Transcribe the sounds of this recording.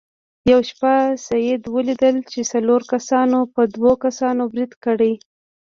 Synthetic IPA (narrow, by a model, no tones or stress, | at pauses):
jawʃpasajed̪wəlid̪əlt͡ʃesaloɾkasɑnopəd̪wokasɑnobɾid̪kəɽəj